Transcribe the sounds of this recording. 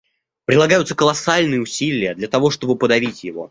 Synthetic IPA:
pɾʲɪlˠɐɡajʊt̪səkəlˠɐsalʲnɨjəʊsʲilʲɪjəd̪lʲɐt̪ɐvo̞ʂt̪o̞bɨpəd̪ɐvʲitʲjɪvo̞̰

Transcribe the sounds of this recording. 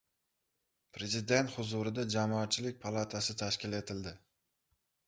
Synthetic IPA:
pʰɾe̞zɪd̪e̞nt̪hʊzʊɾɪd̪ad͡ʒamɒːt̪̚t͡ʃʰɪlɪk̚ʲpʰalˠat̪ʰasɪt̪ʰaʃkʲɪle̞t̪ʰɪld̪ɪ

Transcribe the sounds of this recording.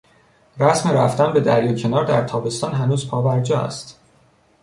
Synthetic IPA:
ræsmeɾæft̪ænbe̞d̪æɾjɒːcʰe̞nɒːɾd̪æɾt̪ʰɒːbe̞st̪ɒːnɦænuːzpʰɒːbæɾd͡ʒɒːæ̰st̪

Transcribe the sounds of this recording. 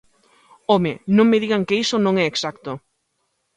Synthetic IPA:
omenõŋmɪðiɣaŋkeisonõŋɛeːksakt̪o

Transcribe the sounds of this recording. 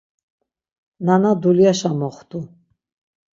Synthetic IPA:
nanad̪uliaʃamɔχt̪ʰʼu

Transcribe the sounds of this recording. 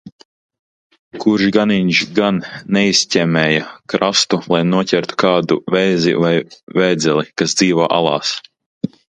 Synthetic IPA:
kuɾʒɡaniɲʒɡanːɛisʲcʲɛmʲɛːjakɾast̪ulˠajnuɔcʲɛɾt̪u̥kaːd̪ṵvɛjzḭvajvɛːd̪zʲɛlˠikasd̪ziːvoːʔa̰lˠɑ̰ːs

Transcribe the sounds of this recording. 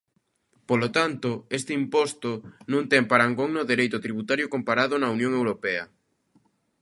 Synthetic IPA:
polot̪ant̪ʊest̪ɪimpɔst̪onũŋt̪ɛmpaɾaŋɡoŋnoðeɾejt̪ʊt̪ɾiβut̪aɾjʊkompaɾaðʊnɐunjõŋewɾopɛɐ

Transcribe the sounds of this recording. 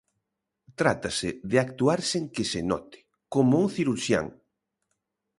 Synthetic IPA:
t̪ɾat̪asɪðɪak̚t̪uaɾseŋkɪsɪnɔ̰t̪ɪ̥ | komouŋθiɾuɾʃja̰ŋ

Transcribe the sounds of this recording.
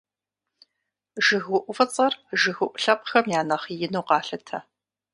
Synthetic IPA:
ʒɨɣʷʊʔʷʊfɐt͡sʼɐrʒɨɣʷʊʔʷʊɬɐp̚xɐmjaːnɐχijɪnuwqɑːɬɨtʰɐ

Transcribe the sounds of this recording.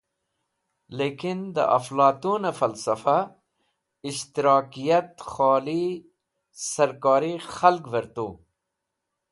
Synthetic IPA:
leːkind̪ɐ̰ʔɐflɑːt̪uːnafɐlsɐfa | ɪʃt̪iɾɑːkijɐt̪xɑːli | sɐɾkɑːɾixɐlkʋɐɾt̪uː

